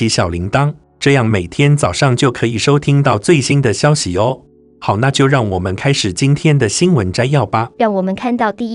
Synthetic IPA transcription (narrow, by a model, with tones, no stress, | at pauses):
i˧˥ɕjɑ˨˩ʊli˧˥ŋt̪ɑ˥ŋ | ʈ͡ʂɤ˥˧jɑ˥˩ŋme˨˩ɪt̪ʰjɛ˥nt͡sɑ˨˩ʊʂɑ˥˩ŋt͡ɕjo˥˩ʊkʰɤ˧˥i˨˩ʂo˥ʊt̪ʰi˥ŋt̪ɑ˥˧ʊt͡swe˥˩ɪɕi˥nd̪ə˨ɕjɑ˥ʊɕi˨o˥ | xɑ˨˩ʊna˥˧t͡ɕjo˥˧ʊɻɑ˥˩ŋwɔ˨˩mə˦nkʰa˥ɪʂɻ̩˨˩t͡ɕi˥nt̪ʰjɛ˥nd̪ə˨ɕi˥nwə˧˥nʈ͡ʂa˥ɪjɑ˥˩ʊpa˧˦ɻɑ˥˩ŋwɔ˨˩mə˦nkʰa˥˧nt̪ɑ˥˧ʊt̪i˥˩